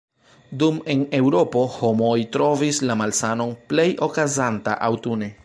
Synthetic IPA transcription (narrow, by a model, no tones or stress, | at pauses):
dume̞ne̞wɾo̞po̞ho̞mo̞jtɾo̞vislamalsano̞nple̞jo̞kazanta̰ʔawtune̞